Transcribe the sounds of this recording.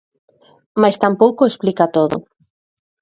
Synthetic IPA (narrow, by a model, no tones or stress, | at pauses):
majst̪ampowkoesplikat̪oðo̰